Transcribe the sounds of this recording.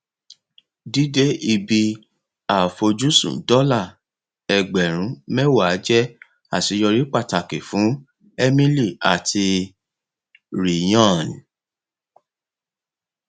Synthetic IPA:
di˦de˦i˧bi˧ | a˨fo˧d͡ʒu˦sṵ̃˨dɔ˦la˦˨ | ɛ˨ɡ͡bɛ˨ɾ̃ũ˨˦mɛ̃˦wa˦˨˦d͡ʒɛ˦ | a˦˨ti˨˧˦jɔ˧ɾi˦k͡pa˦˨ta˨ke˨fũ˨˦ | ɛ˦mĩ˦li˦˨a˨tʰi˧ | ɾi˨j̃ɔ̃˦˨n˨

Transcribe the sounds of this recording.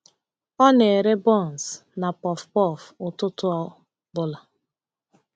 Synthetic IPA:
ɔ˦n˨e˨ɾe˦bɔ˦˨nsna˨pɔ˨fpɔ˦˨fʊ˨tʊ˦tʊ˦ɔ˦ | bʊ˦la˨

